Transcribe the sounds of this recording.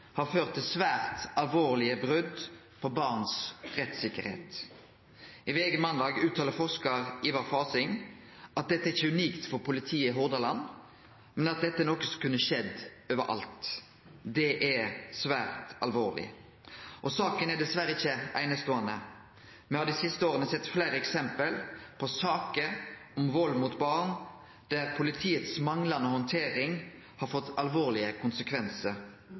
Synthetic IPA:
hɑʁføːʁt̪ʰːɪsʋæːʁt̪ɑlʋoːʁlɪəbʁʉd̪ | pʰɔbɑʁnsʁɛt̪sɪkːəɾhḛːt̪ | ɪʋeːɡəmɑnd̪ɑːɡʉːt̪ʰːɑːləɾfɔʂkəʁiːʋɑfɑːsɪŋ | ʔɑt̪̚d̪ɛt̪ːəɪçːəʉniːkt̪fɔʁpʰʊlɪt̪ʰiːəɪɦʊʁd̪ɑlɑn | mɛnɑt̪̚d̪ɛt̪əɛnɔkːəskʉnːəʃɛd̪ | øːʋəɾʔɑ̰lt̪ | d̪ɛʔɛsʋæːɾt̪ɑ̰lʋoːʁlɪ̰ | ʔɔsɑːkənæd̪ɛsʋæɾəɪçːəʔæɪnəst̪oːɑnə | mɛhɑd̪ɪsɪst̪əoːʁənəsɛt̪ːflæɪɾəɛksɛmpəlpʰɔsɑːkəɔmʋɔlmut̪bɑːʁn | d̪̥æɾpʰʊlɪt̪ʰiːət̪smɑŋlɑnəhɔnt̪ʰeːɾɪŋ | hɑɾfɔt̪ːɑlʋoːɾlɪəkʰʊnsəkʰʋɛnsəɾ

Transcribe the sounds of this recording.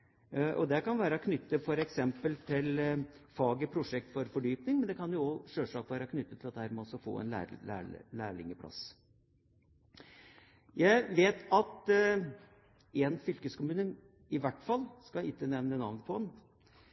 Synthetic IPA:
ʔɔ̰d̪ɛkɑnʋæːɾəkʰnʏt̪ːəfɔɾɛksɛmpəlt̪ʰɪlfɑːɡəpʰɾʊʂɛk̚t̪fɔɾfɔɖyːpnɪŋmɛnd̪ɛkʰɑnjʊɔʂøːʂɭɑːkʋæːɾəkʰnʏt̪ːət̪ʰɪlɑt̪d̪əhæːɾmɛɔsɔfo̰ːɛ̰næ̰ːæ̰læːɭɪ̰ŋəpʰlɑ̰s | jæɪʋeːt̪ʰɑt̪ | ɛnfʏlkəskʊmʉːnə | ɪʋæʈːfɑlːskɑɪt̪ːənɛʋnənɑʋnəpʰɔɛn

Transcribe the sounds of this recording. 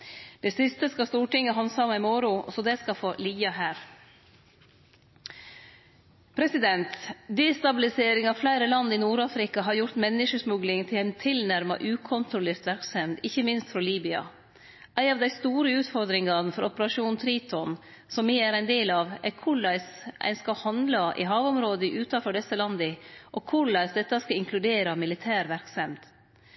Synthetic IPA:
d̪̥ɛsɪst̪əskɑst̪uːʈɪŋːəɦɑnsɑmːɑɪmɔɾʊɔ̰sɔd̪ɛskɑfoːliːɑɦæːɾ | pʰɾɛsɪd̪ɛnt̪d̪eːst̪ɑbɪlɪseːɾɪŋɑːʋflæɪɾəlɑnd̪iːnuːɾɑːfɾɪkɑɦɑɾjʊɾt̪mɛnːɪʂəsmʉɡlɪŋt̪ʰɪlæɪnt̪ʰɪlnæɾmɑ̰ʔʉːkʰɔnt̪ɾʊleːɾt̪ʋæɾksɛmd̪ɪçəmɪnst̪fɾɔliːbʏɑ̰ | ʔæɪɑʋd̪æɪst̪uːɾəʉːt̪fɔɾd̪ɾɪŋɑnfɔɾɔpəɾɑʂuːnt̪ʰɾiːt̪ʰɔn | sɔmːiæɾæɪnd̪eːlɑːʋækʰʊɭæɪsʔæ̰ɪnskɑhɑnd̪lɑʔɪ̰ɦɑːʋɔmɾoːd̪əʔʉːt̪ɑfɔɖɛsːəlɑnd̪əʔɔkʰʊɭæɪsd̪ɛt̪ːɑskɑɪŋkʰlʉd̪eːɾɑmɪlɪt̪ʰæːɾʋæɾksɛmd̪̥

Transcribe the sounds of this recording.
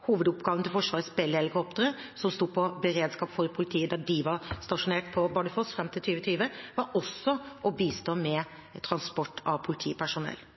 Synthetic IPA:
huːʋəd̪ʊpɡɑːʋnt̪ɪlfɔʂʋɑːɾsbɛlːəɛləkʰɔp̚t̪əɾə | sɔmst̪uːpʰɔbəɾeːd̪skɑːpfɔɾpʰʊlɪt̪ʰiːəd̪æɖɪʋɑɾst̪ɑʂʊneːʈ̚pʰɔbɑɖəfɔsfɾɛmt̪ʰɪlt̪ʰyːʋət̪ʰyːʋəʋɑɾɔsːɔʔɔbiːst̪oːmɛ | t̪ʰɾɑnspɔʈːɑʋpʰʊlɪt̪ʰḭːpʰæʂʊnɛ̰lː

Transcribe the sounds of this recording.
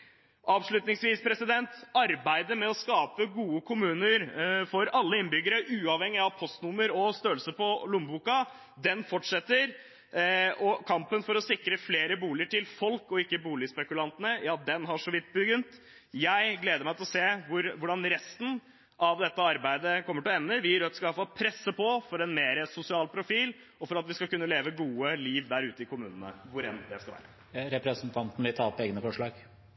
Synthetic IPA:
ʔɑʋʂɭʉt̪nɪŋsʋiːspʰɾɛsɪd̪ɛnt̪ɑɾbæɪd̪əmɛɔskɑːpəɡuːəkʰʊmʉːnəɾfɔɾɑlːəɪnbʏɡːəɾəʔʉːɑʋhɛŋːɪɑʋpʰɔst̪nʊmːəɾɔst̪øːəlsəpɔlʊmbuːkɑ | d̪ɛnfɔʈʂɛt̪ːəɾ | ɔkʰɑmpənfɔɾɔsɪkːɾəfleːɾəbuːlɪəʈʰɪlfɔlkɔɪkːəbuːlɪspɛkʉlɑnt̪ənəjɑːd̪ɛnɦɑʂɔʋɪt̪̚ːbəɡʏnt̪ | jæɪɡleːd̪əɾmæɪɪlɔseːʋʊɾʋʊɖɑnɾɛst̪n̩ | ʔɑʋd̪ɛt̪ːəɑɾbæɪd̪əkʰɔmːəʈɪlɛmnəʋɪɾɑt̪ʋɪskɑʋæɾfɑlpʰɾɛsːəpɔfɔɾɛnmeːɾəsʊsɪɑːlpʰɾʊfiːl | ɔfɔɾɑt̪ʋɪskɑkʉnːəleːʋəɡuːəliːʋd̪æɾʉːt̪əɪkʊmʉ̰ːnənə̰ʋʊɾɛ̰nd̪ɛskɑlʋæ̰ːɾə | ɾɛpɾɛsnt̪ʰɑnt̪n̩lɪt̪ʰɑːɔpeːɡnəfɔʂɭɑːɡ

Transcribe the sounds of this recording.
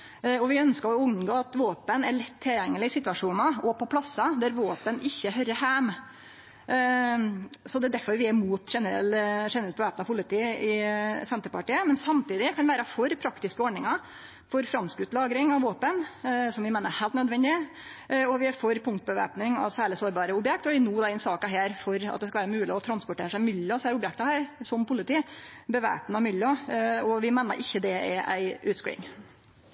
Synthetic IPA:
ɔʋɪœnskəɾɔʉnɡoːɑt̪ʋoːpənæɭɪt̪ʰːɪljɛŋːəlɪɪsɪt̪ʉɑʂuːnɑɔpʰɔpʰlɑsːɑd̪æɾʋoːpənʔɪçːəɦœɾəhæm | sɔd̪ɛd̪æɾfɔɾʋɪæmuːt̪ʂɛnəɾɛ̰lʂɛnɾɛlt̪bəʋæːpnɑpʰʊlɪt̪ʰiːʔɪsɛnt̪əɾpɑʈiːəmɛnsɑmt̪iːd̪ɪkʰɑnʋæːɾəfɔɾpʰɾɑkt̪ɪskəɔːɖɳɪŋɑ | fɔɾfɾɑmskʉt̪lɑːɡɾɪŋɑʋʋoːpənsɔmʋɪmæːnəhæɪlt̪nœd̪ʋɛnd̪ɪ | ɔʋɪfoːɾpʰʊŋkt̪̚bəʋæ̰ːpnɪŋɑ̰ʋsæːɭɪsoːɾbɑːɾəʊbjɛk̚t̪ɔʋɪnuːd̪ɑːɪnsɑːkɑɦæːɾfɔɾɑ̰t̪̚d̪ɛskɑlæːɾəmʉːlɪɔt̪ʰɾɑnspʊʈʰḛːɾəʂæɪmʏljəsæːɾʊbjɛkt̪ɑhæːɾsɔmpʊlɪt̪iːbəʋæ̰ːpnɑmʏljɑɔʋɪmæːnə̰ɾʔɪçːəd̪ɛɛ̰ʔæ̰ɪʔʉːt̪skʉ̰ɪ̰ŋ

